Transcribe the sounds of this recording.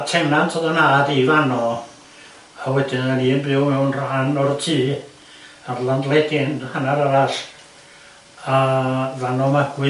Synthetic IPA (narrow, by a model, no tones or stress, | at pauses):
tʰɛnantʰɔðənaːdivanɔ | awɛdɪnaniːnbɪwmɛwnr̥ɔhanɔrtʰiː | arland̪lˠɛɡɪnhanaɾaɾaɬ | avanɔmaɡ̥wɪ